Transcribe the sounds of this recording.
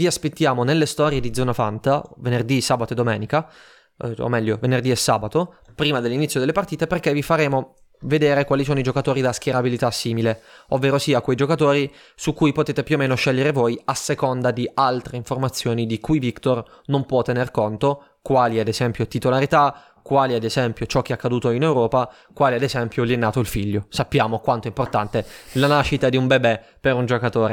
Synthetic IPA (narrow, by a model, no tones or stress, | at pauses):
viaspet̪ːjaːmonelːest̪ɔːɾjed̪id̪zɔːnafant̪avenerd̪isaːbat̪oed̪ːomɛːnika | o̰mːɛʎːovenerd̪iesːa̰ːbat̪o | pɾiːmad̪elːinit̪sjod̪elːepart̪iːt̪eperkevifaɾeːmo | ved̪eːɾekwaːlisoːnoid͡ʒokat̪oːɾid̪ask̟eɾabilit̪asːiːmileovːeːɾosiːakwejd͡ʒokat̪oːɾi | sukːujpot̪eːt̪epjuomeːnoʃɛʎːeɾevojasːekond̪ad̪ialt̪ɾeiɱformat̪sːjoːnid̪ikujvikt̪or | nompwɔt̪ːenerkont̪o | kwaːliad̪ezɛmpjot̪it̪olaɾit̪a | kːwaːliad̪ezɛmpjot͡ʃɔk̟ːeakːad̪uːt̪oinewɾɔːpa | kwaːliad̪ezɛmpjoliɛnːaːt̪oilfiʎːosapːjaːmokwant̪oɛimport̪ant̪elanaʃːit̪ad̪iumbebɛ | pːeɾund͡ʒokat̪oːɾe